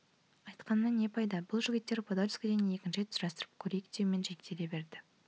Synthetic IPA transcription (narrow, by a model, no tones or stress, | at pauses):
ɑjt̪qɑnːəne̞pʰɑjd̪ɑbʊlˠʒɪɡʲɪt̪ːe̞ɾpʰod̪oɾʲɪ̥skʲed̪ene̞kʲɪnʃet̪ʰʒɑst̪əɾəp̚kʲʰɵɾejkʲt̪ewɪme̞nʒek̚t̪ʰe̞le̞be̞ɾd̪ɪ